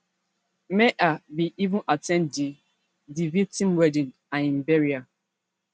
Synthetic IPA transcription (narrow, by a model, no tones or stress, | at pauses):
meʔabiʔivũnʔatɛ̃ndi | divitĩmwɛdĩn | ãnĩmbɛɹia